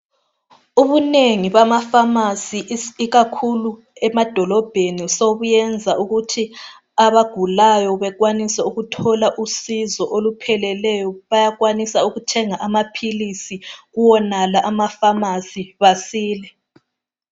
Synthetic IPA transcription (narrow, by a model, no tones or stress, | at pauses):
uβuneŋiβamafamasiiɣakʰulu | ɛmad̥ʱɔlɔb̥ʱenisoβujɛnd͡zʱaʔuɣutʰi | aβaɡ̥ʱulajɔβɛɣwanisɛuɣutʰɔlaʔusizɔʔolupʰɛlɛlɛjɔβajaɣwanisauɣutʰɛŋaʔamapʰilisiɣuwɔnalaʔamafamasiβasiːlɛ